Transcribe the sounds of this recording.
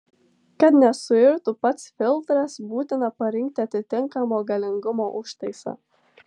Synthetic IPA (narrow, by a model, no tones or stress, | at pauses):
kɐt̪nʲɛsʊɪɾt̪ʊpɐt̪sfʲɪlˠˑt̪ɾɐsbuːt̪ʲɪnɐpɐɾʲɪŋʲk̚t̪ʲɪɐt̪ʲɪt̪ʲɪŋkɐmoːɡɐlʲɪŋɡʊmoːʔʊʃt̪ɐɪsɐ̰